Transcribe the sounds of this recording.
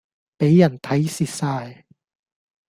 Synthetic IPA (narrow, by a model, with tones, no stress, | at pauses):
pe˨˥jːɐ˨˩nt̪ʰɐ˨˥jsiː˨t̚saː˧j